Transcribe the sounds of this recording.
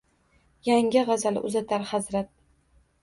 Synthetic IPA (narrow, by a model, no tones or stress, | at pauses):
jaŋʲɪʁɑzalʊ̰zat̪ʰaɾhazɾat̪̚